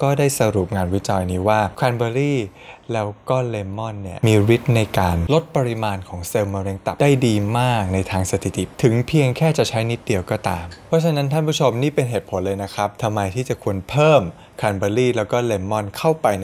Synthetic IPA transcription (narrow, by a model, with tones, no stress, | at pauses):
kɔː˥˩daː˥˩jsa˧ɾuː˨˩p̚ŋaː˧nwi˦˥t͡ɕɔː˧jniː˦˥waː˥˩kʰaː˧nbaː˧ɾiː˥˩ | lɛː˦˥wkɔː˥˩leː˧mːɔ˥˩nːi˦˥˩ɐmiː˧ɾi˦˥t̪̚na˧jkaː˧nlo˦˥t̪̚pa˧ɾi˦˥maː˧nkʰɔː˩˦ŋse˧wmaː˧ɾeː˧ŋt̪a˨˩daː˥˩jdiː˧maː˥˩k̚na˧jt̪ʰaː˧ŋsa˧t̪ʰi˨˩t̪i˨˩t̪ʰɯ˩˦ŋpʰi˧əŋkʰɛː˥˩t͡ɕa˨˩t͡ɕʰa˦˥jni˦˥t̪̚di˧əwkɔː˥˩t̪aː˧mpʰɾɔ˦˥t͡ɕʰa˧na˦˥nt̪ʰa˥˩npʰu˥t͡ɕʰo˧mniː˥˩pe˧nɦeː˨˩t̪̚pʰo˩˦nlɤː˧jna˦˥kʰɾa˦˥p̚t̪ʰa˧mːa˧jt̪ʰiː˥˩t͡ɕa˨˩kʰu˧ənpʰɤː˥˩m | kʰɾa˧nbaː˧ɾiː˥˩lɛː˦˥wkɔː˥˩leː˧mːɔ˥˩nkʰa˥˩wpa˧jn